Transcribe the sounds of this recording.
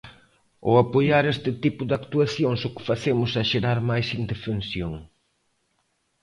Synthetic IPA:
o̰apojaɾest̪ɪt̪ipʊðakt̪uaθjoŋsʊkɪ̥faθemʊsɛʃeɾaɾmajsind̪efensjoŋ

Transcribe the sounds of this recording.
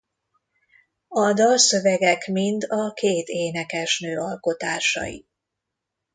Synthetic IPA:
ɒd̪ɒsøvɛɡɛkmind̪ɒkeːt̪eːnɛkɛʃnøːɒlko̞t̪aːʃɒ̰jḭ

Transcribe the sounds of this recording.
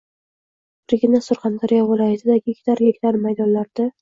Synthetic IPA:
bɪɾɡʲɪnasʊɾχɑnd̪aɾijavɪlˠajat̪ʰɪd̪aɡʲɪekʲt̪aɾɡekʲt̪aɾmajd̪ɒnlaɾd̪ɪ

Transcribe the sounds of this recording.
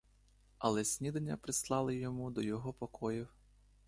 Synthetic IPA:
ɐlˠɛsʲnʲid̪enʲːɐpɾɪslˠɑlˠɪjɔmud̪ɔjɔɦɔpɔkɔjɪw

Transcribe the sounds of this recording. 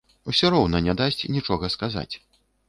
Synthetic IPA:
usʲɔɾɔwnɐnʲɛd̪asʲt͡sʲnʲit͡ʂɔɣɐskaza̰t͡sʲ

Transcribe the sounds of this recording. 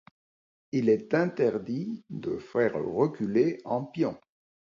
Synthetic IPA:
ilɛt̪ɛ̃t̪ɛʁd̪id̪əfɛʁʁəkʲyleɑ̃pjɔ̃

